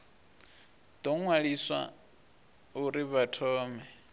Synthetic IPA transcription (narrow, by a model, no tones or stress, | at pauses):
d̪̥ɔŋwaɺiswa̰ | uɾiβatʰɔːmɛ